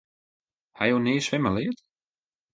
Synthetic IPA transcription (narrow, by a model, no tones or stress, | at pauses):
hajowneːsvɪmalɪːt̪